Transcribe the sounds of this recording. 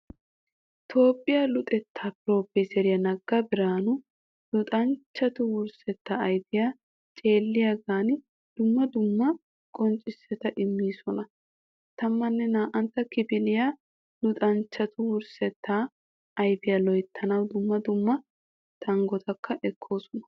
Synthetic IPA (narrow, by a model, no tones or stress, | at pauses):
t̪ʰo̞ːpʼːɪjalʊt̪ʼɛt̪ʰːaːpɪɾo̞ːbɛsɛɾɪjɐnɐɡːɐbɪɾaːnʊ | lʊt̪ʼɐnt͡ʃːɐt̪ʊwʊɾsɛt̪ːaːjbɪja | t͡ʃʼe̞ːlːɪjɐɡaːn | d̪̥ʊmːɐd̪ʊmːɐ | kʼɔnt͡ʃʼːɪsːɛt̪ɐʔɪmːiːsɔnɐ | t̪ɐmːɐnːɛnaːʔɐnt̪ːɐkɪbɪlɪja | lʊt̪ʼɐnt͡ʃːɐt̪ʊwʊɾsɛt̪ʰːa | ɐjbɪjɐlɔjt̪ʰːɐnɐwd̪ʊmːɐd̪ʊmːɐ | t̪ʰɐŋɡɔt̪ʰɐkʰːɐʔɛkʰːo̞ːsɔnɐ̥